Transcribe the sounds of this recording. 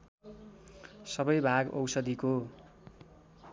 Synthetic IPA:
sʌbʌjbʱaɡʌ̰wsʌd̪iko

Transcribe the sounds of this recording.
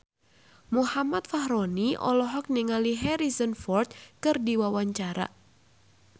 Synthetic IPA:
muhamat̪̚fahɾoniʔɔ̰lɔɦɔk̚niŋaliɦɛɾizənfɔrt̪̚kɨrdiwawaɲt͡ʃaɾa̰

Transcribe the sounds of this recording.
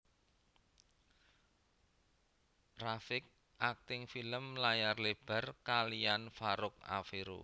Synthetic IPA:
rafɪk̚ | ʔak̚t̪ɪŋfiləmlajarleb̥a̤rkalianfaɾʊk̚a̰feɾṵ

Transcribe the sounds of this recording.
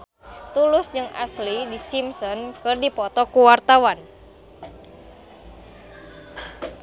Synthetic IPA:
t̪ulʊsd͡ʒɨŋa̰slidisimsɔnkɨrdipɔt̪ɔkuwart̪awan

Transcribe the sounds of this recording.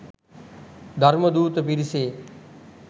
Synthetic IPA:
d̪ʱəɾməd̪uːt̪əpiɾseː

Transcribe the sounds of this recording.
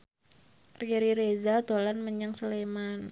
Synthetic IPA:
rɾiɾezad̪olanməɲaŋsəleman

